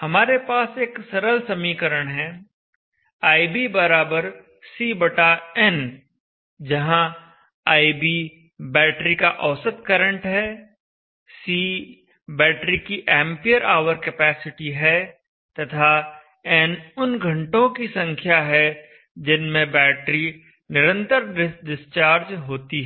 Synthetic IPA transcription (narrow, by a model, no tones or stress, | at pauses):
hɐmaːɾepaːseːksɐɾəlsɐmiːkəɾəɽ̃ɦɛ̃ | aːibibɐɾaːbəɾ | siːbəʈaɛn | d͡ʒɐɦã | aːibi | bɛːʈɾikaʔɐːsət̪̚kɐɾə̃ɳʈɦɛː | siː | bɛːʈɾikiʔɛ̃ːmpijəɾaːʋəɾkepɛːsɪʈiɦɛ | t̪ɐt̪ʰa | ɛnʊnɡʱɐ̃ɳʈõkisɐ̃ŋkʰjaɦɛ | d͡ʒɪnmẽbɛːʈɾi | nɪɾə̃nt̪əɾɖɪst͡ʃaːɾd͡ʒɦoːt̪iɦɛ